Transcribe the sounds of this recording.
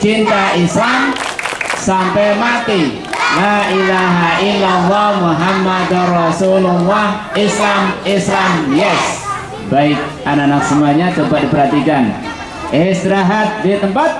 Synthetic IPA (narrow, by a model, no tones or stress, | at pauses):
t͡ʃint̪aʔislam | sampɛjmat̪i | laʔilaɦaʔɪlːalːɔhmuɦamːad̪rɔsulʊlːɑh | ɪslamɪslamjɛs | baɪt̪̚ananak̚səmuaɲat͡ʃobat̪̚dipəɾɦat̪ikan | ʔɪsɾaɦat̪̚dit̪əmpat̪̚